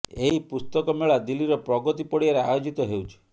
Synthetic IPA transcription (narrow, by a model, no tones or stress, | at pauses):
eɦipust̪ɔkɔmeɭad̪ilːiɾɔpɾɔɡɔt̪ipɔɽiaɾeajod͡ʒit̪ɔɦewt͡ʃʰe̥